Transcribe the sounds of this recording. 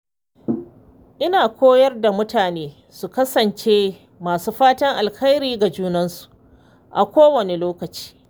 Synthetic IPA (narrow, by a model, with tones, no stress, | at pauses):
ʔɪ˦naː˨kʷʰoː˦jɐ˦rda˨mʊ˦taː˨neː˦ | su˨kɐ˦sɐ˨nt͡ʃe˦ | maː˨suː˦ɸaː˦tɐ˦ŋʔa˨lka˦jɾiː˦ɡa˨d͡ʒuː˦nɐ˦nsu̥˨ | ʔa˨kʷoː˦wɐ˨ne˨loː˦kɐ˨t͡ʃi̥ː˦